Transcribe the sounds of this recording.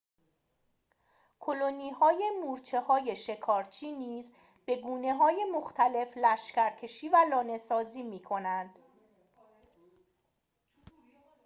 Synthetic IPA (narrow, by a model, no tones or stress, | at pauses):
kʰolo̞niːhɒːje̞muːɾt͡ʃʰe̞hɒːje̞ʃe̞kʰɒːɾt͡ʃʰiːniːz | b̥e̞ɡuːne̞ɦɒːje̞moxt̪ʰæle̞flæʃcæɾkʰe̞ʃiːvælɒːne̞sɒːziːmiːkʰo̞nænd̪̥